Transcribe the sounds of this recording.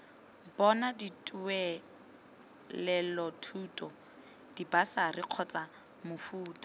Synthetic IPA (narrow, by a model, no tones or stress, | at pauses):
bɔnaditʼuɛ | lɛlɔtʰutʼɔ | d̥ibasariq͡χʰɔt͡sʼa | mʊfuːtʼḁ